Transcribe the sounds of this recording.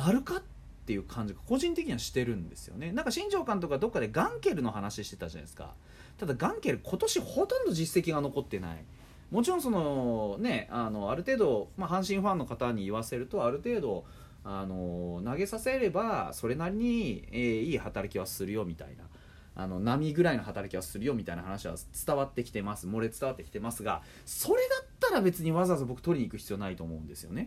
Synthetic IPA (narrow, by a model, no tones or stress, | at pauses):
naɾɯ̟kat̪ːe̞jɯ̟kʰãɲ̟d͡ʑikḁko̞ʑĩnt̪ekʲiɲiβaɕi̥t̪e̞ɾɯ̟̃nd̪e̞sɨ̥jo̞̰ne̞nãŋkaɕĩɲ̟d͡ʑo̞ːkãnt̪o̞kad̪o̞kːad̪e̞ɡãŋke̞ɾɯ̟no̞ɦanaɕiɕi̥t̪e̞t̪aʑa̰na̰isɨ̥ka̰ | t̪ad̪aɡãŋke̞ɾɯ̟kʰo̞t̪o̞ɕiho̞t̪õnd̪o̞ʑisːe̞kʲiɡano̞ko̞t̪ːena̰ḭ | mo̞t͡ɕiɾõso̞none̞ano̞aɾɯ̟t̪e̞ːd̪o̞maɦãɰ̃ɕĩɸãnːo̞kat̪aɲ̟iːβ̞ase̞ɾɯ̟t̪o̞aɾɯ̟t̪e̞ːd̪o̞ | ano̞naɡe̞sase̞ɾe̞baso̞ɾe̞naɾʲiɲ̟ieːiːhat̪aɾakʲiβ̞asɨɾɯ̟jo̞mʲit̪a̰ḭna̰ | a̰no̞namʲiɡɯ̟ɾaino̞hat̪aɾakʲiβasɨɾɯ̟jo̞mʲit̪ainaɦanaɕiβa̰t͡sɨ̥t̪aβat̪ːe̞kʲi̥t̪e̞masɨmo̞ɾe̞t͡sɨ̥t̪aβat̪ːekʲi̥t̪emasɨɡa̰ | so̞ɾe̞d̪at̪ːaɾabe̞t͡sɨɲ̟iβazazɨbo̞kɯ̟̥o̞ɾʲiɲ̟iːkɯ̟çi̥t͡sɨijo̞ːnait̪o̞ːmo̞ɯ̟̃nd̪e̞sɨjo̞̰ne̞